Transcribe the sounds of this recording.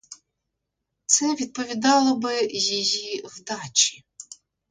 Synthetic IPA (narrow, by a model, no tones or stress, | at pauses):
t̪sɛʋʲid̪̚pɔʋʲid̪ɑlˠɔbɪjijiwd̪ɑt͡ʃʲi̥